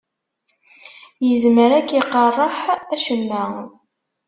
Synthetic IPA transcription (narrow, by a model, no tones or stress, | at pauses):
jəzməɾækːiqːərˤːəħæʃəmːæ